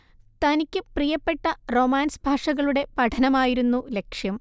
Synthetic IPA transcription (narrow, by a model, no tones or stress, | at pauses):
t̪ɐnikʲːɨprijɐpːe̞ʈːɐro̞ːmaːnsbʱaːʂɐɣɐɭuɽe̞pɐʈʰɐnɐmaːjiɾunːule̞kʂjɐm